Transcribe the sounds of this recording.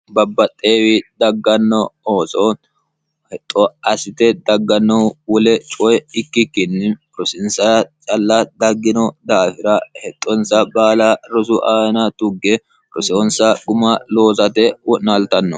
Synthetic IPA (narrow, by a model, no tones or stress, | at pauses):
bɐbːɐt̪ʼːeːwɪd̪ɐɡːɐnːɔoːsɔ | hɛt̪ʼːɔɐsɪt̪ɛd̪ɐɡːɐnːɔwɔlɛt͡ʃʼɔjɪkːɪkːɪnːɪ | ɾɔsɪnsɐt͡ʃʼɐlːɐd̪ɐɡːɪnɔd̪aːfɪɾɐhɛt̪ʼːɔnsɐbaːlɐɾɔsʊʔaːnɐt̪ʊɡːɛ | ɾɔsɛɔnsɐɡʊmɐlo̞ːzɐt̪ɛwɔʔnɐlt̪ɐnːɔ